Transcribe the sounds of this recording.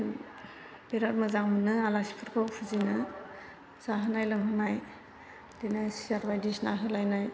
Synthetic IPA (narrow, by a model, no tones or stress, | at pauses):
b̥eɾat̚mɯzaŋmɯnɯalasi̥pʰɯɾkʰawpʰuzinɯ | z̥aɦɯnajlɯŋɦɯnaj | denɯsiaɾbajdisnaɦɯlajnaj